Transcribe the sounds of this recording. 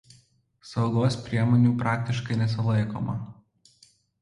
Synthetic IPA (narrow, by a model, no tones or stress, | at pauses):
sɒʊɡoːspʲɾʲiɛmoːnʲuːpɾɑːk̚t̪ʲɪʃkɐɪnʲɛs̬ʲɪlˠɐɪko̰ːmɐ̰